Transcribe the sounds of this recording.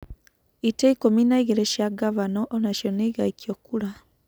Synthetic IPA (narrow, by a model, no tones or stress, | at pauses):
iteikominaiɣeɾeʃaɡavanoʔːnaʃoneiɣaikjokula